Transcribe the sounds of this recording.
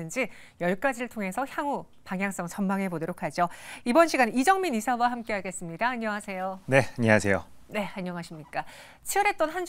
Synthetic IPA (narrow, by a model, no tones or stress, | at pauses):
ɯnd͡ʑi | jʌɭk͈ad͡ʑiɾɯɭtʰoŋe̞sʰʌçjaŋu | paŋɦjaŋs͈ʌŋt͡ɕʌnmaŋɦe̞bodʌɾokʰad͡ʑoibʌnɕʰiɡanid͡ʑʌŋminisʰawaɦamk͈e̞ɦaɡe̞s͈ɯmɲidaːɲːʌŋɦasʰe̞jone̞aɲeasʰe̞jo̰ne̞aɲːʌŋaɕʰimɲik͈a | t͡ɕʰiʌɾɦe̞t̚t͈ʌnɦand͡ʑ